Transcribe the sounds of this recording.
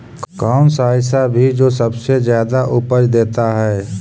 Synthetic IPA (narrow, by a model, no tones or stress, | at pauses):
kɔːmsaːjɪsabʱid͡ʒoːsɐbsezjaːd̪aʔʊpəd͡ʒd̪eːt̪aɦɛː